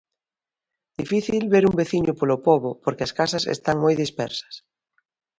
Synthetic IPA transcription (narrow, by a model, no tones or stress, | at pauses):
d̪̥ifiθilβeɾumbeθiɲʊpolopoβopoɾkɪɐskasɐsḛst̪aŋmojðispɛ̰ɾsɐ̥s